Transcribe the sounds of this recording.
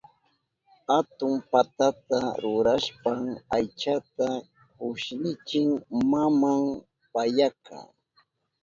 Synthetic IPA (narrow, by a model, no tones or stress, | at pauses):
hat̪ʊmpat̪at̪aɾʊɾaʃpamajt͡ʃat̪a | kʊʃnɪt͡ʃɪŋmamam | pajakʰa̰